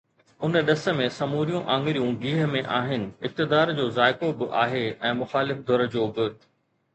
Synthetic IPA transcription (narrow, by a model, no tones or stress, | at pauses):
ʊnɗɐsə̆mẽsɐmuːɾijũʔãːŋɡɪɾijũɡiːɦəmẽʔaːɦɪnɪ̆ɪp̚t̪ɪd̪aːɾd͡ʑoːzaːɪkobɪʔaːɦeɛ̃ːmʊxaːlɪfd̪ʱɔɾəd͡ʑoːbɪ